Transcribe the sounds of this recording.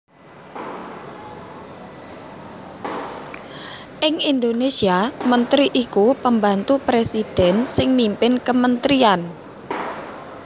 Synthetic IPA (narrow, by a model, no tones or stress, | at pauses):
ʔɪŋind̪onesiamənt̪ɾiʔikupəmbant̪upɾesid̥ɛ̤nsɪŋnimpɪnkəmənt̪ɾian